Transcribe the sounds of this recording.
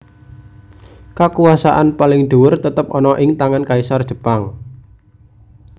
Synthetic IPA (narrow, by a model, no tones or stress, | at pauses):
kakuwasa̰ʔanpalɪŋɖ̪̥uwʊrt̪ət̪əp̚ɔnɔʔɪŋt̪aŋankaisard̥ʒ̥ə̤paŋ